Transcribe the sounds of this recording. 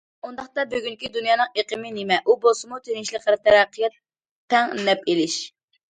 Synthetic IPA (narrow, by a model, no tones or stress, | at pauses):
und̪ɑχt̪ɑbøɡʲyŋkʲid̪unjɑːnɨŋeqʰəmɪnemɛʔubolˠsɨmut̪ʰeɾinʃilˠəqəɾt̪ʰɛɾɛqʰːəjɑt̪ʰː | ɛŋnɛpelɪʃ